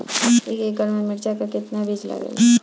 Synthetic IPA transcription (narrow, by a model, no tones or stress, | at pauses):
ikeɡɡʱəɽmemɪɽd͡ʒakakɪt̪nabʱid͡ʒla̰ɡḛl